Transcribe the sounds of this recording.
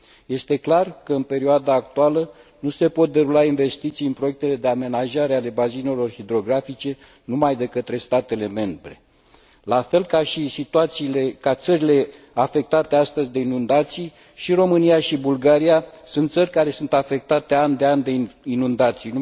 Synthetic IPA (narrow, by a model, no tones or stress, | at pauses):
je̞st̪e̞klarkəɨnpe̞ɾioad̪aːkt̪ualə | nuse̞po̞t̪̚d̪eɾulainve̞st̪it̪sijɨnpɾo̞jek̚t̪e̞le̞d̪e̞ame̞naʒaɾe̞ale̞bazine̞lo̞rhid̪ɾo̞ɡɾafit͡ʃe̞ | numajd̪e̞kət̪ɾe̞st̪at̪e̞le̞me̞mbɾe̞̰ | lafe̞lkaʃisit̪uat̪silekat̪səɾile̞ | afe̞k̚t̪at̪e̞ast̪əzʲd̪e̞inund̪at̪sij | ʃiɾo̞mɨnijaʃibulɡaɾijasunt̪sərʲkaɾe̞sunt̪afe̞k̚t̪at̪e̞anʲd̪e̞anʲd̪einund̪at̪sijn